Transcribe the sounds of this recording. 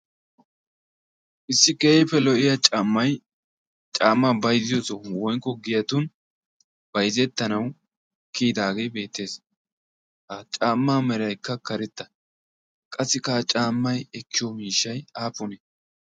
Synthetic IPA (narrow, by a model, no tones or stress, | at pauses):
ʔɪsːɪkeːpːɛlɔʔɪjɐt͡ʃʼaːmːɐj | t͡ʃʼaːmːabɐjzɪjoːsɔwɔjŋkːɔɡɪjɐt̪ʊn | b̥ɐjzɛt̪ːɐnɐw | kiːd̪aːɡe̞jbe̞ːt̪ːe̞ːs | hat͡ʃʼaːmːaːmɛɾɐjkːɐkɐɾɛt̪ːɐ̥ | kʼɐsːɪkat͡ʃʼaːmːɐjɛkːɪjɔmiːʃːɐjaːpʊnɛ